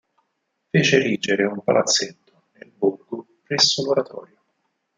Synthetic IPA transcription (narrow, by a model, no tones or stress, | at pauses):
feːt͡ʃeriːd͡ʒeɾeumpa̰lʔat̪sːet̪ːo̥nelburɡopɾɛsːoloɾat̪ʰɔ̰ːɾjo